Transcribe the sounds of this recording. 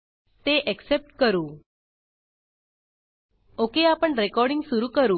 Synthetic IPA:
t̪eʔeksep̚ʈkəɾuː | okeapəɳɾekɔɾɖiŋɡsuɾuːkəɾuː

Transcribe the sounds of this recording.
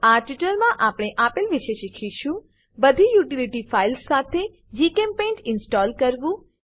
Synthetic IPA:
aʈiʈəɾmãʔapɽ̃eʔapilʋɪʃeʃikʰiʃũ | bəd̪ʱijuʈiliʈifʰailsːat̪ʰe | d͡ʒikempẽʈɪnsʈɔlkəɾʋũ

